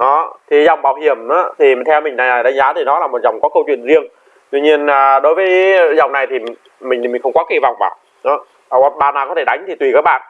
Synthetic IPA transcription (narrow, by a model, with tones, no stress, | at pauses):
ʔɔ˨˦t̪ʰi˨˩za˨˩wŋ͡mɓaː˧˩whi˧˩əmʔaː˨˦t̪ʰi˨˩˨t̪ʰɛ˧wmï˨˩ŋ̟na˨˩a˨˩ɗa˨˦ŋzaː˨˦t̪ʰi˨˩nɔ˨˦laː˨˩mo˨˩t̚za˨˩wŋ͡mkɔ˨˦kə˧wt͡ɕwḭ˧˨ənzi˧əŋ | t̪wi˧ɲi˧ənaː˨˩ɗo˨˦jvəː˨˦jza˨˩wŋ͡mna˨˩jt̪ʰi˨˩˨ | mï˨˩ŋ̟˨mi˨˩ŋ̟xə˧ŋ͡mkɔ˨˦˥ki˧˩va˨˩wŋ͡mvaː˧˩ | ɗɔː˨˦˨ | ɔ˨˧˦ɓaː˨˩naː˨˩kɔ˨˦t̪ʰe˧˩ɗa˨˦jŋ̟t̪ʰi˨˩t̪wi˨˧˩kaː˦˥k̚ɓa̰ː˧˨nʔ